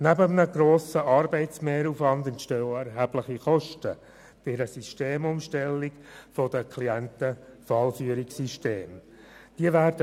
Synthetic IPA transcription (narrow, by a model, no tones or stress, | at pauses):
næbəmnəɡɾoːsəʔɑːɾbɛɪtsmeːɾuːfvɑndɛntʃtøːɛɾɦæb̥ləχiχɔʃtə̰ | b̥ɪɾəsyʃteːmʊmʃtɛlːikfɔd̥əkʰliæntəfɑlfyəɾiksiʃteːm | d̥iəvæːɾd̥ə